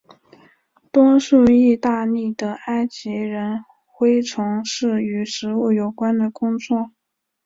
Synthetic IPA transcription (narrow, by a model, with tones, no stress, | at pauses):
t̪wɔ˥ŋʂu˥˧i˥˧t̪a˥˧ni˥˩d̪ə˩a˥ɪt͡ɕi˧˥ɻə˧˥n | xwe˥ɪʈ͡ʂʰʊ˧˥ŋʂɻ̩˥˩y˧˥ʂɻ̩˧˥u˥˩jo˨˩ʊkwa˥nd̪ə˨kʊ˥ŋt͡swɔ˥˩